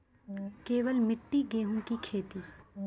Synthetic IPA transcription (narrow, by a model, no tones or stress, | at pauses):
keːʋəlmɪʈːiɡeːɦũkikʰeːt̪iː